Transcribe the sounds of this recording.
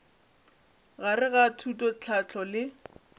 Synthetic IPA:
ɣarɪɣatʰutʼɔt͡ɬʰat͡ɬʰɔlɪ

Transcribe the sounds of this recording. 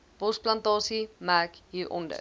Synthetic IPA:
bɔsplɐntɑːsimækjiʔɔ̰ndə̰

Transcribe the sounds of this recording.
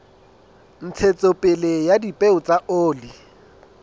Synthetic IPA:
n̩t͡sʰet͡sʼopʼɪlejadipʼeʊt͡sʼaʔoːli

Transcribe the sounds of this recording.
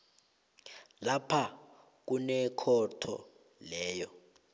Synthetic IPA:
lapʰa | k̬unɛkʰɔtʰɔ̰ | lɛːjɔ

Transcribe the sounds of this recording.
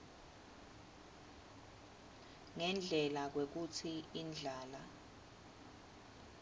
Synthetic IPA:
ŋɛnd͡ɮʱɛlak̬wek̬ut͡sʰiind͡ɮʱaːla

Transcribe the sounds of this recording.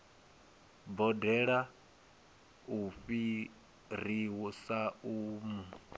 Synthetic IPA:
bɔdɛɺa | uɸi | ɾiwusaumu

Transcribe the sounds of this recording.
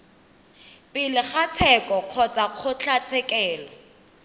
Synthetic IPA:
pʼɪlɪχat͡sʰɛkʼɔq͡χʰɔt͡sʼaq͡χʰʊt͡ɬʰat͡sʰɛkɛːlɔ

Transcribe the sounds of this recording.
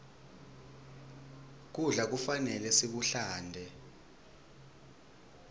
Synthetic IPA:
k̬uɮak̬ufanɛlɛsiɓuɬaːndʱɛ

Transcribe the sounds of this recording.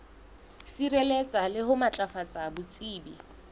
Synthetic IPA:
sirɛlɛt͡sʼalɪɦʊmat͡ɬʼafat͡sʼabʊt͡sʼiːbi

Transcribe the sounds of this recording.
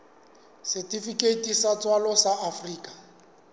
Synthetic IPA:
sɛtʼifikʼetʼisat͡sʼwalɔsaʔafriːkʼa

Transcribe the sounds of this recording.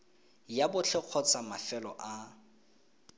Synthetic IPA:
jabʊt͡ɬʰɛq͡χʰɔt͡sʰʼamafɛlɔ̰ʔa

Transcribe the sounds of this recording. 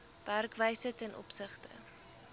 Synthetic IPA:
v̥ærkvəjsətɛnʔɔ̰psəχtə̰

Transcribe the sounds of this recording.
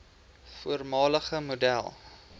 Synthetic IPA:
fuərmɑːləχəmodæ̰lˠ

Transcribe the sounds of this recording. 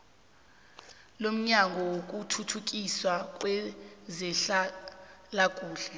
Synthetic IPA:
lom̩ɲaŋɡʱɔwok̬ʼutʰutʰuk̬ʼiswakʼwɛzɛɬalakʼuːɬɛ

